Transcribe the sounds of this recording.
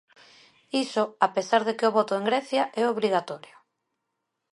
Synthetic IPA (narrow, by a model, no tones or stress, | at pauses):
isʊapesaɾðekɪoβɔt̪ʊeŋɡɾɛθjaʔɛoβɾiɣat̪ɔɾjo